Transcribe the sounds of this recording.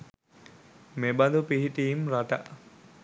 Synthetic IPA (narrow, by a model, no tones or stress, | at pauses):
mebad̪upiɦiʈiːmɾaʈa̰ʔ